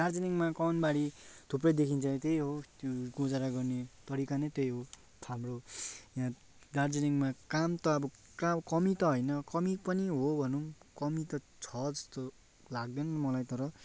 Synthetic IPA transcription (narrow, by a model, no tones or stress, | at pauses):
dard͡zeniŋmakʌnbaɽit̪ʰuprʌjd̪ekʰint͡sʰʌ̃t̪ejɦot̪jɡõd͡zaɾaɡʌrnet̪ʌɾikanet̪ejɦo | amrojɦã | dard͡zeniŋmakamt̪ʌːbʌ | kakʌmit̪ʌɦʌjnʌkʌmipʌniɦobʱʌnumkʌmit̪ʌ | t͡sʰʌd͡zʌst̪o | laɡ̚d̪enʌmʌlajt̪ʌɾʌ